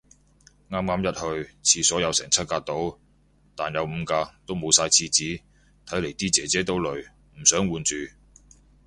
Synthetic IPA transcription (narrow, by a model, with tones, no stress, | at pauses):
ŋaː˥mŋaː˥mjɐ˥t̚hɵ˧ɥt͡sʰiː˧sɔː˨˥jɐ˨˧wsɛ̰ː˨˩ŋt͡sʰɐ˥t̚kaː˧t̚t̪o˨˥w | t̪aː˨njɐ˨˧wm̩˨˧kaː˧t̪o˥wmo˨˧wsaː˧jt͡sʰiː˧t͡siː˨˥ | t̪ʰɐ˨˥jle˨˩jt̪iː˥t͡sɛː˨˥t͡sɛː˨˥t̪o˨˥wlɵ˨ɥ | m̩˨˩sœː˨˥ŋwuː˨˧nt͡ʃyː˨